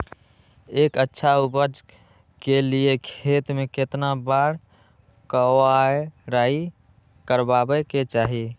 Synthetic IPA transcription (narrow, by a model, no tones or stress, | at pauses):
ekətːʃʰaubəd͡ʒ | keliekʰet̪meket̪nabaɾ | kəwaeɾai | kəɾbabɛket͡ʃaɦi